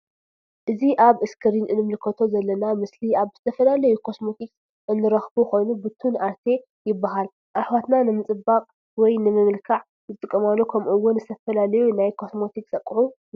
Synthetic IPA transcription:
ʔɨziʔaβɨskʰɨɾinɨnːɨmlɨkʰɐt̪ʰo̞zɐlːɐnamɨsliaβz̥ɨt̪ʰɐfɐlalɐjukʰo̞smo̞t̪ʰiks | ʔɨnːɨɾɐxbukʰo̞jnubɨt̪ʰunaɾt̪ʰe̞ | jɪbːaɦal | ʔaħwat̪nanɨmɨt͡sʼɨbːakʼ | wɔjnɨmɨmɨlkʰaʕ | zɨt̪ʼɨkʼːɐmalːukʰɐmuwːʊnzɨt̪ʰɐfɐlalɐjunajkʰo̞smo̞t̪ʰiksʼɐkʼːʕu

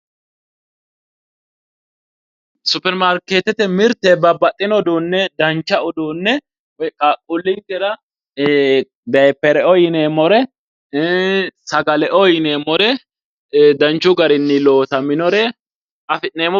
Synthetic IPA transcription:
sʊpːɛɾmaɾkːeːt̪ːɛt̪ɛmɪɾt̪ɛbɐbɐt̪ʼːɪnɔd̪uːnːɛd̪ɐnt͡ʃːɐʔʊd̪uːnːɛ | kʼakʼːʊlːɪŋkɛɾɐ | d̪ɐjpːɛɾɛʔɔjɪneːmɔɾɛ | sɐɡɐlɛʔɔjɪneːmɔɾɛ | d̪ɐnt͡ʃːʊɡɐɾɪnːɪloːt̪ɐmɪnɔɾɛ | ɐfɪneːmɔ

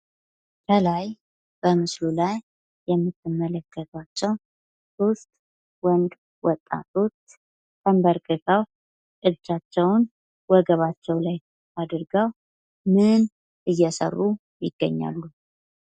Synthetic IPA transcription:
t̪ʰəlaj | b̥əmɨslulajː | ɛmːɨt̪ʰːɨmːələkːət̪ʰat͡ʃːɛw | sost̪ʼ | wənd̪ | wɔt̪ʼːa̰t̪ʰot̪ | t̪ʰəmbəɾkʼɨt̪ʰaw | kʼɨdt͡ʃat͡ʃːɛwn | wɔɡəβat͡ʃːɛwlaj | ad̪ɨɾɡəw | mɨn | ʔɨjːɛsə̰rːu | jɪɡːə̰ɲːa̰lːu

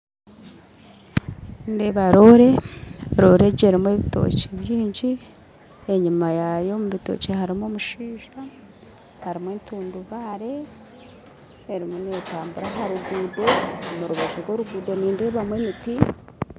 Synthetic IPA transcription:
nde̞βaɾo̞ɾe̞ɾo̞ːɾe̞ɟeɾimwe̞βito̞̰ceβjiːɲɟi | e̞ɲimajajo̞muβito̰cehaɾimoːmuʃiːʒa | haɾimweːntuːnduβaɾe̞ | eɾimuneetaːmbuɾaɦaɾuɡuːdo̞muɾuβazoɾɡwo̞ːɾuɡuːdo̞niːnde̞ːβamwemiti

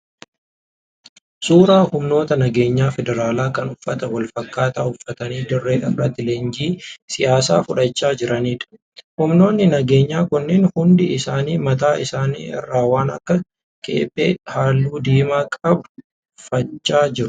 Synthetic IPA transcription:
suːɾaːhʊmno̞ːt̪ɐnɐɡe̞ːɲːaːfɛd̪ɛɾaːlaːkɐnʊfːɐt̪ɐwɐlfɐkːaːt̪aːʊfːɐt̪ɐniːd̪ɪrːeːᶑɐrːɐt̪ːɪleːnd͡ʒiːsɪjaːsa̰ːfʊᶑɐt͡ʃːaːd͡ʒɪɾʔɐniːᶑɐ̥ | hʊmno̞ːnːɪnɐɡe̞ːɲːaːkʊnːɛnhʊnd̪ɪɪsaːniːmɐt̪aːʔɪsaːnḭːɪ̰rːaːwaːnɐ̰kːɐ | kʼḛːpʼːḛːᶑhaːlːuːd̪iːmaːkʼɐb | fɐt͡ʃːaːd͡ʒɪɾʊ̥

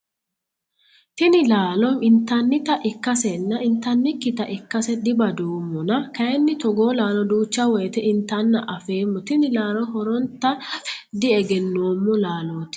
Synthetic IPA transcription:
t̪ɪnɪlaːlɔmɪnt̪ɐnːɪt̪ɐʔɪkːɐsɛnːɐʔɪnt̪ːɐnːɪkːɪt̪ɐʔɪkːɐsɛd̪ɪbɐd̪uːmːɔnɐkɐjɛnːɪt̪ɔɡo̞ːlaːlɔd̪uːt͡ʃːɐwɔjɛt̪ɛɪnt̪ːɐnːɐʔɐfeːmːɔt̪ɪnɪlaːlɔhɔɾɔnt̪ːɐd̪ɪɛɡɛnːoːmːɔlaːloːt̪ɪ̥

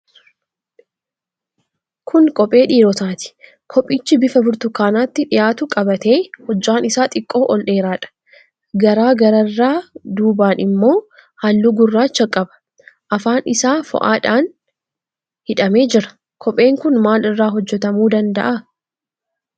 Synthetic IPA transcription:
kʰʊŋkʼɔpʼe̞ːᶑiːɾɔt̪aːt̪ɪ̥ | kʰɔpʼːiːt͡ʃːɪbɪfɐbʊɾt̪ʊkaːnaːt̪ːɪᶑɪjaːt̪ʊkʼɐbɐt̪e̞ːhɔd͡ʒːaːnɪsaːt̪ʼɪkʼːo̞ːʔɔlᶑe̞ːɾaːᶑɐ̥ | ɡɐɾaːɡɐɾɐrːaːd̪uːbaːnɪmːo̞ː | hɐlːuɡʊrːaːt͡ʃːɐkʼːɐbɐ̥ | ʔɐfaːnɪsaːfɔ̰ʔaːᶑaːn | hɪᶑɐme̞ːd͡ʒɪɾɐ̥ | kʰɔpʼːe̞ːŋkʊnmaːlɪrːaːɦɔd͡ʒːɛt̪ɐmuːd̪ɐnd̪ɐ̰ʔa

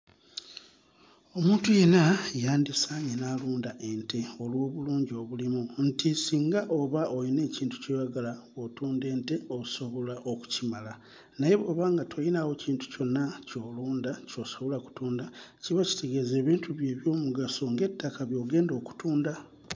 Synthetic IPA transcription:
o̞muːntuje̞najaːndisaɲenaluːndaʔentʰe̞o̞lwo̞ːβuluːɲɟio̞βulimuntisiːŋɡaʔoβaʔojine̞ːciːntu̥cojaɡalawotuːnde̞ːnte̞ouso̞βo̞laʔo̞ku̥cimala | naje̞βo̞βaːŋɡatʰojinawo̞ciːntu̥co̞nːaco̞luːndaco̞ːsaβulaku̥tuːndaciβaci̥te̞ɡe̞ze̞ːβiːntʰuβje̞ːβjo̞ːmuɡaso̞ŋɡe̞tːakaβjo̞ːɡe̞ːndo̞ːku̥tuːnda

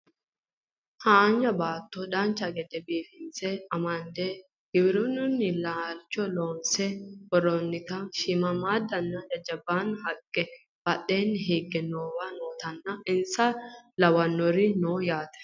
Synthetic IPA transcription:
haːnd͡ʒɐbaːt̪ːɔd̪ɐnt͡ʃːɐɡɛd̪ɛbiːfɪnt͡sɛɐmɐnd̪ɛ | ɡ̥ɪwɪɾʊnʊnːɪlaːlt͡ʃːɔloːnsɛwɔɾɔnːɪt̪ɐʃɪmɐmaːd̪ɐnːɐd͡ʒɐd͡ʒɐbanhɐkʼːɛ | b̥ɐɗːeːnɦeːɡːɛnoːwɐnoːt̪ɐnːɐɪnsɐlɐwɐnːɔɾɪnoːjaːt̪ɛ̥

